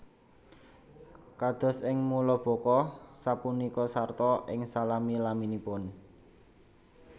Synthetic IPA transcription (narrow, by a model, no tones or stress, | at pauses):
kad̪̥ɔ̤sɪŋmulɔb̥ɔ̤kɔsapunikɔsart̪ɔʔɪŋsalamilaminipʊn